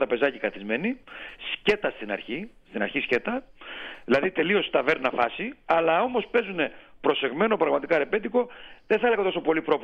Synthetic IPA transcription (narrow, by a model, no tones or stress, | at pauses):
t̪ɾɐpe̞zɐcikɐθizme̞nisce̞t̪ɐst̪inɐ̰ɾçist̪inɐɾçisce̞t̪ɐðilɐðit̪e̞lio̞st̪ɐve̞ɾnɐfɐsiɐlɐo̞mo̞spe̞zune̞pɾo̞se̞ɣme̞no̞pɾɐɣmɐt̪ikɐɾe̞pe̞t̪iko̞ðeθɐeleɐt̪o̞so̞po̞lipɾo̞p